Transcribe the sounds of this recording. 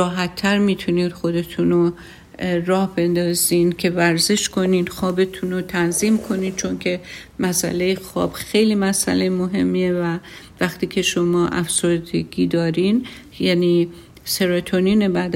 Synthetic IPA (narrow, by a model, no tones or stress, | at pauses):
ɒːɦæt̪ʰːæɾmiːt̪ʰuniːd̪̥xo̞d̪e̞t̪ʰuno | ɾɒːhbe̞nd̪ɒːziːncʲʰe̞væɾze̞ʃkʰo̞nid̪xɒːbe̞t̪ʰunot̪ʰænziːmkʰo̞niːd̪̥̚t͡ʃʰo̞ncʰe̞ | mæsæ̰le̞jexɒ̰ːb̥xe̞jliːmæsæ̰lejmoɦe̞̰mːievæ | væxt̪iːcʰe̞ʃo̞mɒːʔæfz̥o̞ɾd̪eɡiːd̪ɒːɾin | jæniː | se̞ɾot̪ʰoniːne̞bæd̪